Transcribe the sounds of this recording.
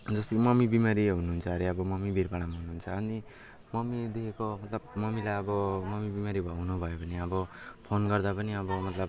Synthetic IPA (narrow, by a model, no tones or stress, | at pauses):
d͡zʌst̪imʌmibimaɾiɦunuɦunt͡sʰʌɾiʌbʌmʌmibʱiɾpaɽamaɦunuɦunt͡sʰʌːni | mʌmid̪eekomʌt̪lʌbmʌmilajʌbʌmʌmibimaɾibʱʌɦunubʱʌjopʌniʌbʌpʰonɡʌrd̪apʌniʌbʌmʌt̪lʌb